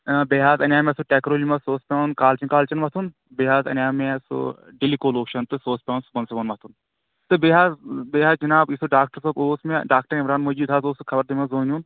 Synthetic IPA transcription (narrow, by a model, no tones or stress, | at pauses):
beːɦaːzɐnʲaːmesuʈeːkɾoːlimɐsoːspʲaːnkaːlt͡ʃinkaːlt͡ʃɐnʋɐt̪ʰun | beːɦaːzɐ̰nʲaːmeso̰ | ɖilikoːloːkʃɐnt̪ɨsoːspʲãːnsubɐnsɐbɐnʋɐt̪ʰun | t̪ɨbeːɦaːzbeːɦaːzd͡ʒɐnaːbisoɖaːk̚ʈɐɾsɐboːsmeɖaːk̚ʈɐɾimɾaːnmɐd͡ʒiːd̪ɦaːzoːsɨkʰɐbɐɾd̪imɐzoːnʲun